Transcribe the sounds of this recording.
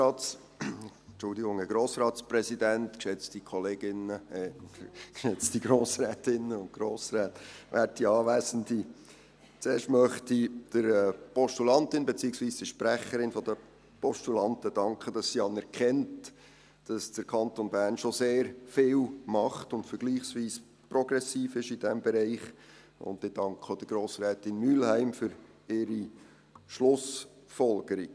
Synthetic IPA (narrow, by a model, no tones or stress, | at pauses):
ɑːts | t͡ʃʊldɪɡʊŋɛɡ̥ɾoːsrɑːt̪spɾɛsidæntkʃɛt͡stikχɔleːɡɪnəɛkʃɛt͡sd̥iɡ̥ɾoːsɾɛːtɪnəʊntɡ̥ɾoːsɾɛːtʋʔæːtiɑːʋæɪsən̩di | t͡seːɾʃtmœχtid̪̥əɾɛpɔʃtulɑnt̪ɪnbet͡siːəksʋiːsd̥əʃpɾæχəɾɪnfɔd̥ə | pɔʃtulɑntəd̥ɑŋkχəd̥ɑsːiɑnɛɾkʰɛnt | d̥ɑsd̥əɾkʰɑntonbæːɾnʃoseːɾfɪːlmɑχtʊntfəɾɡ̥liːχsʋiːs | prɔɡɾɛsiːfɪʃid̥ɛmbɛɾɛɪχ | ʊ̰ndɪd̥ɑŋkʰχod̥əɡ̥ɾoːsɾɛːtɪnmylhæɪmfʏɾ | ɪɾi | ʃlʊs | fɔlɡ̥əɾi̥